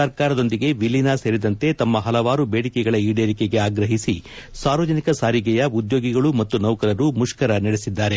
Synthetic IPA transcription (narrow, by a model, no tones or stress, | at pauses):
ɐɾkaːɾɐd̪o̞nd̪iɡe̞ʋilːinase̞ːɾid̪ɐnt̪e̞t̪ɐmːɐɦɐlɐʋaːɾubeːɽikɛɡɐɭɐiːɽeːɾikeɡe̞aːɡɾɐɦisisaːɾʋɐd͡ʒɐnikɐsaːɾiɡɛjɐud̪jo̞ːɡiɡɐɭumɐt̪ːunɐwkɐɾɐɾumuʂkɐɾɐnɐɽesid̪ːaːɾe̞